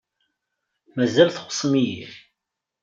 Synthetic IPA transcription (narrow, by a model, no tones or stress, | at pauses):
mæzælθχʷə̥sˤːmijiθ